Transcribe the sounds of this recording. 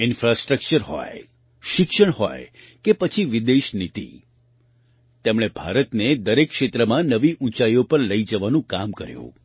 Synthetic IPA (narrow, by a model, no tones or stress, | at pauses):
ɪnfɾasʈɾək̚t͡ʃəɾɦɔ̰j | ʃɪkʃəɳ̃hɔ̰j | kepət͡ʃʰiʋid̪eʃnit̪ḭ | t̪emɽ̃ebʱa̰ɾət̪ned̪əɾekːʃet̪ɾəmãnəʋiʔũt͡ʃajopəɾləid͡ʒəʋanũkamkəɾjṵ̃